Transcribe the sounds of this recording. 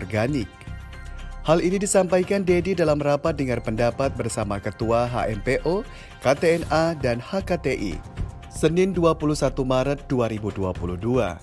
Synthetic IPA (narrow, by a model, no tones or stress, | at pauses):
rɡanɪk̚ | halinidisampajkandedidalamrapat̪̚dəŋarpəndapat̪̚bərsamakət̪uaɦa̰ʔɛmpeʔo | kat̪eɛnadanhakat̪eʔḭ | sənɪnduapulusat̪umaɾət̪̚duaɾibuduapuluhdua̰